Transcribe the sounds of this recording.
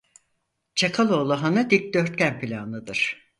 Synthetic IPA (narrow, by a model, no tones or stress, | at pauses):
t͡ʃʰakʰalˠo̞ːlˠuɦanad̪id̪øɾt̪̚cʲænpʰilʲanˠɯd̪ɯɾ̥